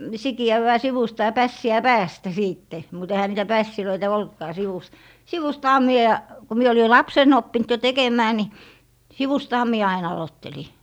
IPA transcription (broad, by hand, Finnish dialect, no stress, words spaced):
sikiæʋːæː siʋustɑ jɑ pæsːiæ pæːstæ siːtːe mut ehæ niːtæ pæsːiløitæ oltkɑː siʋust siʋustɑhɑ mie ku mie oli lɑpsen opːint jo tekemˑæː ni siʋustɑhɑ mie ɑin ɑlotːeli